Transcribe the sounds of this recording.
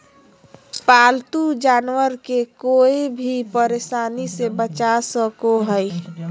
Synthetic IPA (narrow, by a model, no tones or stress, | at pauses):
paːlt̪ud͡ʒaːnwəɾkekoːebʱipəɾesaːnisebət͡ʃasəkoɦəi